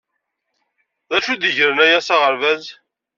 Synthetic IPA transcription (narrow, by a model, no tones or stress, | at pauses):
ðæʃud̪əʝɾənæjæsaʁəɾvæz